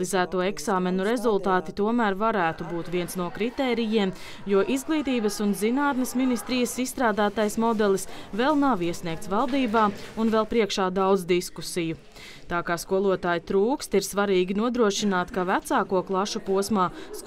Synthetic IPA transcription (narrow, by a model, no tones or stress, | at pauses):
izæːt̪uɔeksaːmenuɾezulˠt̪aːt̪it̪uɔmæːɾvaɾæːt̪ubuːt̪ʋiɛnsnuɔkɾit̪ɛːɾijiɛm | juɔʔizɡlˠiːt̪iːbəsunzinaːt̪nesminist̪ɾijəsisːt̪ɾaːd̪aːt̪ajsmɔd̪ɛlˠisvɛlˠnaʋiɛsniɛk̚t̪svalˠd̪iːbaːunvɛlˠpɾiɛkʃaːd̪awd̪zd̪iskusiju | t̪aːkaːskuɔlˠuɔt̪aːjit̪ɾuːkst̪iɾsvaɾiːɡʲinuɔd̪ɾuɔʃinaːt̪kavæt̪saːkuɔklˠaʃupuɔsmaːs